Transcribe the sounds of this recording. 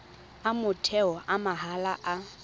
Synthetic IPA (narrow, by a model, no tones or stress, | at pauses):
amʊtʰɛɔʔamaɦalaʔa